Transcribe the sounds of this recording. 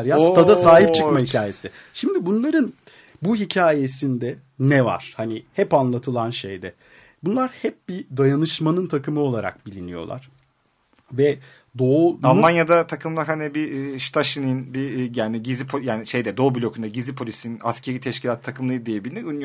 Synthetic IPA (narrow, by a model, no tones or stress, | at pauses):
ɾjaːnst̪ʰad̪asaːɦipt͡ʃʰɯkmahicʰaːje̞sɪʃimd̪ibunlˠaɾɯn | buɦicʰaːjesind̪ɛ | nɛva̰ɾ̥hanihɛpanlˠat̪ʰɯlˠanʃḛjd̪ɛ | bunlˠaɾhɛp̚bid̪ajanɯʃmanɯnt̪ʰakʰɯmɯo̞lˠaɾa̰k̚bilʲinijo̞̰lˠa̰ɾ̥ | vɛ | d̪oualˠmanjad̪at̪ʰakʰɯmlˠaɦanibiʃt̪ʰaʃininbijaːniɟizipʰojaːniʃejd̪ɛd̪o̞bylʲo̞kʰund̪aɟizipʰo̞lʲisinnascʰe̞ɾiːt̪ʰɛʃcilʲat̪t̪ʰːakɯmlˠɯjɯd̪ijebilʲiniyn